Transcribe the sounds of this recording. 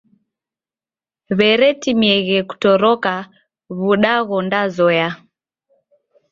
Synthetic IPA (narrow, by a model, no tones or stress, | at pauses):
βɛɾɛtimiɛɣɛku̥tɔɾɔka | βuɗaɣɔndazɔja